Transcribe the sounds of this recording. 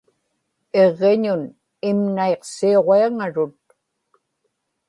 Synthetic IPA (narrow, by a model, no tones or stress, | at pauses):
e̞ʁːeɲʊn | ɪmnaeqsio̞ʁeaŋaɻʊt̪̚